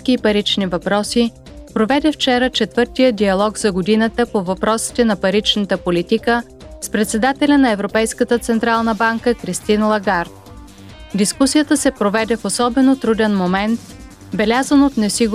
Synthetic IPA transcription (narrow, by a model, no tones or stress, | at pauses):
kiːpɐɾit͡ʃnivɐpɾɔsi | pɾovɛd̪ɛft͡ʃɛɾət͡ʃɛt̪vɤɾt̪ijəd̪iɐlˠɔɡzɐɡod̪inət̪əpovɐpɾɔsi̥t̪ɛnɐpɐɾit͡ʃnət̪əpolit̪ikə | spɾɛt̪sɛd̪at̪ɛlʲɐnɐɛvɾopɛjskət̪ət̪sɛnt̪ɾalˠnəbaŋkəkɾist̪inlˠɐɡaɾt̪̚ | d̪iskusijət̪əsɛpɾovɛd̪ɛfosɔbɛnot̪ɾud̪ɛnmomɛnt̪̚ | bɛlʲazənot̪nɛsiɡ